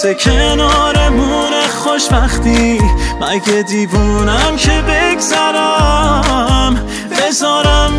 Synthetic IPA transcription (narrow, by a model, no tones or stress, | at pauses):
sekʰenɒːɾemuːnexoʃbæχt̪imæɡed̪iːvuːnæmcʰebeɡzæɾæ | m | bezɒːɾæm